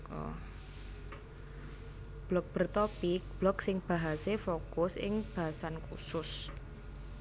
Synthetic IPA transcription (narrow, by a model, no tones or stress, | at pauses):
ɔ̰ | b̥lɔk̚b̥ərt̪opɪk̚b̥lɔksɪŋb̥a̤ɦasefokʊsɪ̰ŋb̥a̤ɦasankṵsʊs